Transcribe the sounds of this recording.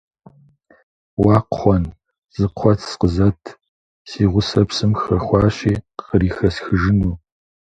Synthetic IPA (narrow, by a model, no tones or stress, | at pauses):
wɑːqχʷɔn | z̥ɨqʷʰɔtʰsqəzɐtʰ | siːʁʷʊsɐpsɨmxɐxʷɑːɕiːqəɾiːxɐsxɨʒɪnuː